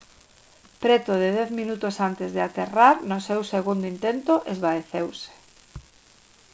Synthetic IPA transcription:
pɾɛt̪ʊð̞ɪðɛθmĩnut̪osant̪ezðɪat̪eraɾnʊsewseɣund̪oint̪ent̪oʔezβaeθewsɪ̥

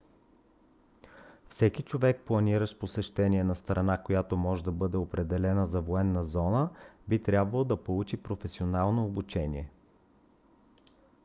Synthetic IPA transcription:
fsɛkit͡ʃovɛk̚plˠɐniɾəʃposɛʃt̪ɛniɛnɐst̪ɾɐnakojat̪omɔʒɛd̪ɐbɤd̪ɛopɾɛd̪ɛlɛnəzɐvoɛnːəzɔnəbit̪ɾʲjabvɐlˠod̪ɐpolˠut͡ʃipɾofɛsionalˠnoːbut͡ʃɛnʲḭɛ

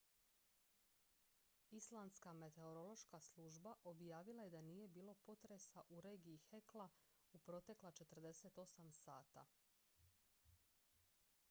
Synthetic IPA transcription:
islˠanskame̞t̪e̞oɾo̞lˠo̞ʃkaslˠuːʒbaʔo̞bjaːʋilˠaje̞d̪aniːje̞biːlˠo̞po̞t̪ɾesaʔuɾe̞ːɡiːxe̞klˠa | upɾo̞t̪e̞klat͡ʃe̞t̪r̩d̪e̞se̞t̪o̞samsaːt̪a̰

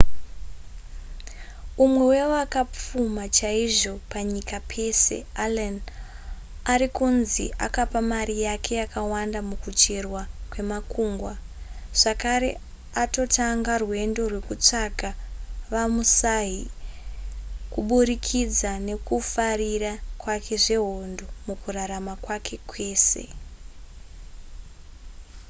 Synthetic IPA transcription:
umwe̞wewoakap͡fumat͡ʃaiʐo̞paɲikapʰe̞se̞̰alan | aɾikunzḭʔa̰kapamarijakʰe̞jakawandamukut͡ʃerwakwe̞makuːŋɡwa | ʐ̥akaɾe̞ | ato̞taŋɡarwe̞ndo̞rwe̞kut͡ʂakaʋamusaɦi | kuɓuɾikʰid͡zane̞kufarirakwakʰe̞ʐe̞ɦondo̞mukuraɾamakwakʰe̞kwe̞ːse̞̰

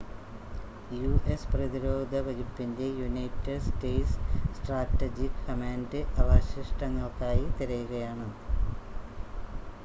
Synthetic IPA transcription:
juːesprɐðiɾoːd̪ʱɐʋɐɣupːinde̞junɐjtːeɖsʈeːssʈraːtːɐd͡ʑikhɐmaːndɨʔɐʋaːɕiʂʈɐŋːɐɭkaːjit̪iɾɐjuɣɐjaːɳɨ

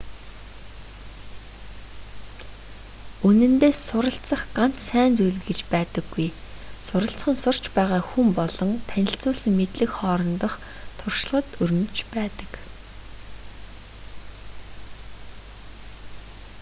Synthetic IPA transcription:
ɵnɘ̆nt̪eːsːʊɾə̆ɬt͡sə̆χɢan̥t͡ssæːnt͡sujɮɘ̆ɡĕt͡ɕpæːt̪ə̆ɡːujsʊɾə̆ɬt͡sχə̆nsʊr̥t͡ɕpæːʁaːxumpɔɮɞ̆nt̪ʰænʲɪ̆ɬt͡sʊːsɘ̆ŋmet̪ɮɘ̆kχɔːɾɞ̆nt̪ə̆χ | t̪ʰʊrʃ̆ɮʁə̆t̪ɵɾɵ̆nt͡ɕpæːt̪ə̥̆k

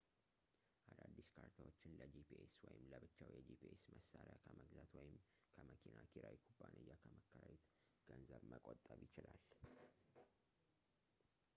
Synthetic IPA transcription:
ʔad̪ad̪ːiskʰaɾt̪ʰawot͡ʃːɪnləd͡ʒipʰiʔeswɔjɪmləbɨt͡ʃːawjɛd͡ʒipʰiʔesməsːaɾakʰəməɡzat̪wɔjɪm | kʰəməkʰinakʰiɾawikʰubːanʔəjːakʰəməkʰːəɾawit̪ | ɡ̥ənzəβməkʼot̪ʼːəβjɪt͡ʃɪlal

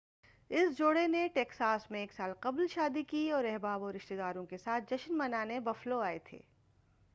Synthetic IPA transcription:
ɪsd͡ʒoːɽeneʈeːksaːsmẽeːksaːlqɐblʃaːd̪ikiɔːɾɛɦbaːbɔːɾɪʃt̪ed̪aːɾõkesaːt̪̚ʰd͡ʒɐʃənmɐnaːnebɐfloaːet̪ʰḛː

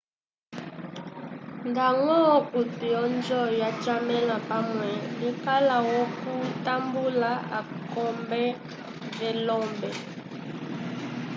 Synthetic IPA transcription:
ndaŋɔkutujɔnd͡ʒɔjat͡ʃamɛlapamwɛɛkalawɔkutambulaa̰ | kɔmbɛ | vɛlɔmbɛ

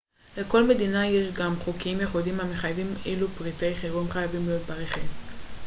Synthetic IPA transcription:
le̞ko̞lme̞d̪inaje̞ʃɡamχukiimjeχudimameχajavimʔelupʁit̪ejχiʁimχajavimleod̪̚paʁeχim

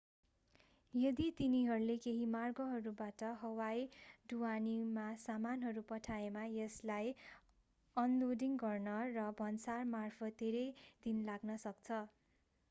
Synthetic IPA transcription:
jʌd̪it̪iniɦʌɾulekeɦimarɡʌɦʌɾubaʈʌɦʌwajɖuwanimasamanɦʌɾupʌʈʰaemajʌslaj | ʌnloɖiŋɡʌrnʌrʌbʱʌnsarmarpʰʌt̪̚ːeɾʌjd̪inlaɡnʌsʌk̚t͡sʰʌ

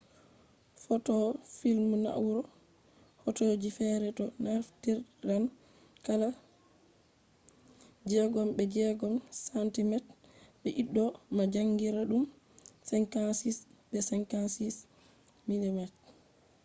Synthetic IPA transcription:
fɔtɔfilmuna̰wuɾɔ | fɔtoːd͡ʒifɛɾɛtɔnaɾftiɾɾan | kala | d͡ʒɛɡɔmbɛd͡ʒɛɡɔmsantimɛtbɛʔiɗːɔmad͡ʒaŋɡiɾaɗum | sɛŋkansisbɛsɛŋkansis | milimɛt̚

